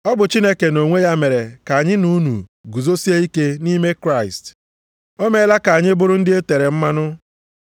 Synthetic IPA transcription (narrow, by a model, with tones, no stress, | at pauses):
ɔ˦bʊ˨t͡ʃi˦ne˦ke˨no˨ŋʷe˦ja˦me˨ɾe˨ka˨a˨ɲɪ˦nu˦nṵ˨ɡu˨zo˦si˦e˦i˦ke˦ni˦me˦kɾa˦˨ɪ˨st | o˦me˦la˦ka˨ɲɪ˦bʊ˦ɾʊ˦n̩˦dɪ˦e˦te˨ɾe˨m̩˦ma˦nʊ˦